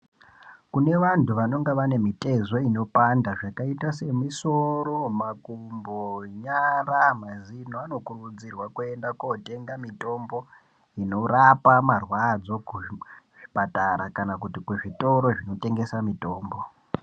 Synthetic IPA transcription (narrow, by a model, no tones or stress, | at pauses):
kune̞ʋantuʋano̞ŋɡeʋane̞mite̞zo̞ino̞pandaʐakaitase̞miso̞ɾo̞makumboɲaramazinoano̞kurud͡zirwakue̞ndakote̞ŋɡamito̞mbo̞ | ino̞rapamarwad͡zo̞kuʐ̥ipataɾakanakutikuʐito̞ɾo̞ʐino̞te̞ŋɡe̞samito̞ːmbo̞